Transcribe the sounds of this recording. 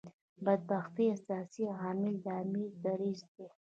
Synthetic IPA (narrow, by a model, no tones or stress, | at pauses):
bad̪̚baxt̪iasjɑsiɦɑːmɪld̪ɑmid̪ɐɾid͡ʒd̪e